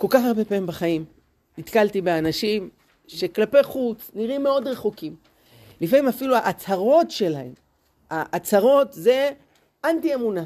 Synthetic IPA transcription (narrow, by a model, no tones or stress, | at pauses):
ko̞lkaχaʁbe̞paimbaχaim | nit̪kalt̪ibeanaʃim | ʃe̞klape̞jχut͡sniʁime̞o̞d̪ʁe̞χukim | lifamimafiluaʔat͡saʁo̞tʃe̞laḛm | aʔːt͡saʁo̞tze̞ | ʔantie̞muna